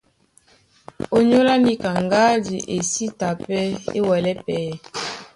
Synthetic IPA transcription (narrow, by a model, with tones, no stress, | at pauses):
o˨ɲo˦la˦ni˦ka˨ŋɡa˦di˨ʔe˨si˦ta˨pɛ˦ḛ˦wɛ˨lɛ˦pɛː˨˦